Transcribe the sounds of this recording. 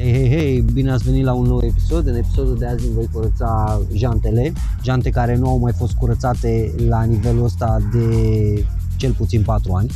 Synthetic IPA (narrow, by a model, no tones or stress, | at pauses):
hejɦejɦejbine̞at̪sve̞nit̪launːowe̞pi̥so̞d̪ɨne̞pi̥so̞d̪ud̪e̞azʲinvo̞jkuɾət̪saʒant̪e̞le̞ | ʒant̪e̞kaɾe̞nuawmajfo̞st̪̚kuɾət̪sat̪e̞lanive̞luəst̪ad̪e̞ | t͡ʃe̞lput̪sinpat̪ɾuanʲ